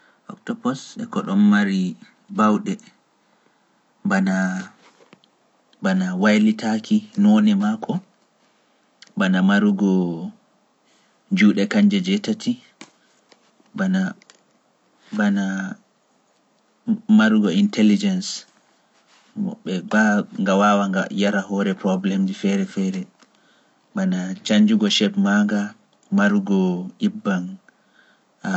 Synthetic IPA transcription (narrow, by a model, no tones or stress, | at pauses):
ʔɔ̰ktɔpɔsɛ̰kɔɗɔnmaɾi | bawɗɛ | bana | banawajlitʰakʰinɔnɛmakʰɔ | banamaɾuɡɔ | d͡ʒuːɗɛkaɲd͡ʒɛd͡ʒɛtatʰi | bana | bana | maɾuɡɔintʰɛlid͡ʒɛns | mɔ̰ɛaŋɡawawaajaɾahɔɾɛpɾɔblɛmd͡ʒifɛɾɛfɛɾɛ | ɓanat͡ʃaɲd͡ʒuɡɔʃɛpmaŋɡa | maɾuɡɔʔibːan | a